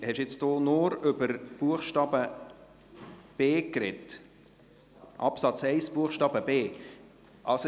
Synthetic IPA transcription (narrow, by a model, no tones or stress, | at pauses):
hɛʃjɪt͡sd̥oːnʊɾʏbəɾb̥uəχʃtɑːbə | b̥eːkɾɛt | ʔɑ̰psɑt͡sɛɪsb̥uəχʃtɑːb̥əbeː | ʔɑls